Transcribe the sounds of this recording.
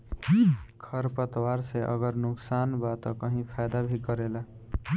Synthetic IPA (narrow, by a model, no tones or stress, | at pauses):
kʰʌɾpʌt̪waɾseʔʌ̰ɡʌɾnʊksanbat̪ʌkʌɦĩpʰajd̪abʱikʌɾela